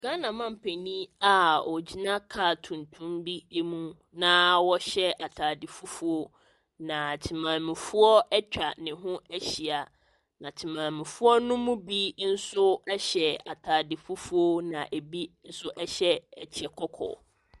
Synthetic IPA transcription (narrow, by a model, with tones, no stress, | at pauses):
ɡ̥ã˦nã˨mã˦m̩˨pʰe˨nĩ˦a˦ɔ˨d͡ʑi˨nã˦kʰa˨tʰũ˨ntʰũ˦mbi˦e˦mũ˦ | nã˦wɔ˦ɕɛ˦a˨tʰaː˨dɪ˨fu˦fu˦o˦ | nã˨tʰi˨mãː˨mɪ̃˨fu˦ɔ˦ɛ˦t͡ɕᶣa˨nɪ̃˨ɦʊ̃˦æ˦ɕi˨a˨ | nã˨tʰi˨mãː˨mɪ̃˨fu˦ɔ˦nʊ̃˦mũ˦bi˦n̩˦sʊ˦ɛ˦ɕɛ˨a˨tʰaː˨dɪ˨fu˦fu˦o˦nã̰˨ʔe˨bi˦n̩˦sʊ˦ʔɛ˦ɕɛ˦˨t͡ɕʰi˨ɛ˨kʰɔ˦kʰɔ̰˨